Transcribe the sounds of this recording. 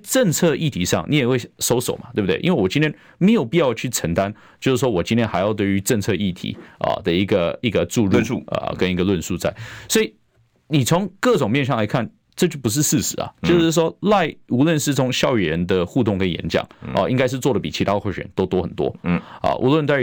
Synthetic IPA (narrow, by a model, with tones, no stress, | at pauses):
t͡sʈ͡ʂə˥˧ŋt͡sʰɤ˥˧i˥˩t̪ʰi˨˩ʂɑ̰˥˩ŋni˧˥jwe˥˩ɪʂo˥ʊso˨˩ʊmɐ˨t̪we˥˩b̪̚e˥˩ʔi˧˥nwe˥˩wɔ˨˩t͡ɕi˥nt̪ʰjɛ˥n | me˧˥ɪjo˨˩pi˥˧jɑ˥˧ʊt͡ɕʰy˥˩ʈ͡ʂʰə˧˥ŋt̪a˦n | t͡ɕjo˥˧ʊʂ̩˥˩ʂwɔ˥wɔ˨˩t͡ɕi˥nt̪ʰjɛ˧˥nxa˧ɪjɑ˥˧ʊt̪we˥˩ɪy˧˥ʈ͡ʂə˥˧ŋt͡sʰɤ˥˧i˥˩t̪ʰḭ˨˩˦ə̰˨˩d̪ə˨˩i˧˥ɡə˧i˧˥ɡə˧ʈ͡ʂu˥˧ɻu˥˧ə̰˧˩kə˥ni˧˥ɡə˧lwə˥˧nʂu˥˧t͡sa˥˩ɪswɔ˥i˨ | ni˨˩t͡sʰʊ˧˥ŋkɤ˥˩ʈ͡ʂʊ˨˩ŋmjɛ˥˧nɕjɑ˥˩ŋla˧˥ɪkʰa˥˩n | ʈ͡ʂɤ˥˧t͡ɕjo˥˩pu˧˥ʂ̬̩˥˧ʂɹ̩˥˩ʂɻ̩˨˧˦ɐ̰˨˩t͡ɕjo˥˧ʂʂ̩˥˩ʂwɔ˥la˥˩ɪu˧˥lwə˥˧nʂɻ̩˥˩t͡sʰʊ˧˥ŋɕjɑ˥˧ʊi˨˩ɻə˧˦nd̪ə˧xu˥˧t̪ʊ˥˩ŋkə˥n˨jɛ̰˧˥nt͡ɕjɑ̰˨˩˦ŋə̰˧˩ʔi˥ŋka˥ɪʂ̬̩˥˧t͡swɔ˥˩də˩pi˨˩t͡ɕʰi˧˥t̪ʰa˥də˧xwo˥˩ɕnt̪o˥ʊt̪wɔ˥xə˨˩nt̪wɔ̰˥ə̰˨ʔṵ˧˥lwə˥˧nt͡s̪a˥˧